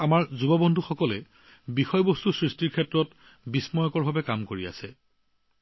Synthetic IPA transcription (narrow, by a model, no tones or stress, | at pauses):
amaɹzubɔbɔndʱuxɔkɔlɛ | bixɔjɔbostusɹistiɹkʰɛtɹɔt | bismɔjɔkɔɹbʱabɛkamkoɹia̰sɛ